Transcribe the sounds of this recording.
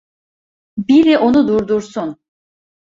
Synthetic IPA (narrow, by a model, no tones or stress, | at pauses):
biɾiʔo̞nud̪uɾd̪uɾsun